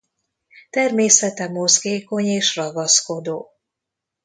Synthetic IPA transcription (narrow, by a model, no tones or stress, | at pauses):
t̪ɛrmeːsɛt̪ɛmo̞zɡeːko̞ɲeːʃrɒɡɒsko̞d̪oː